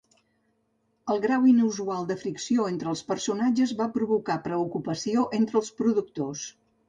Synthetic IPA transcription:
əlˠɣɾawinuzualˠd̪əfɾiksioent̪ɾəlˠspərsunad͡ʒəzβapɾuβukapɾəukupəsioʔent̪ɾəlˠspɾuðuk̚t̪os

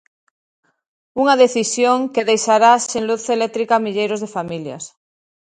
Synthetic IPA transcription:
uŋaðeθisjoŋkeðejʃaɾasenluθelet̪ɾikamiʎejɾozðefamilja̰s

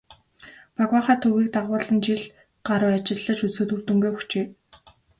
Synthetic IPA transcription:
paɣwaːχæːt̪ʰɵɣiːk̚t̪aʁʊːɮə̆nt͡ɕiɮ | ɢaɾə̆ːat͡ɕɪ̆ɮːə̆t͡ɕut͡sxɘ̆t̪urt̪ɵ̆ŋɡuːɵxʰt͡ɕeː

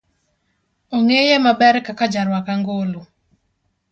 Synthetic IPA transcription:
oŋejemabɛɾkakad͡ʒaɾwakaŋɡolo

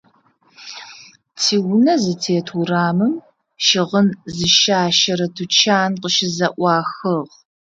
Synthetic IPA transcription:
tʰiːwnɐzɨtʰeːtʰuraːmɨm | ʃɪʁənzzɨʃaːʃɐɾɐtʰut͡ʃʰaːnqəʃɪzɐʔʷɑːxɨʁ

